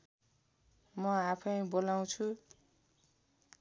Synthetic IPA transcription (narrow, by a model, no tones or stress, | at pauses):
mʌapʰʌjbolaw̃t͡sʰu